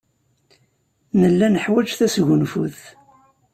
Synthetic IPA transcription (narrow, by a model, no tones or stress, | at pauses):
nəlːænəħwæd͡ʒθæsʝʊnfṵθ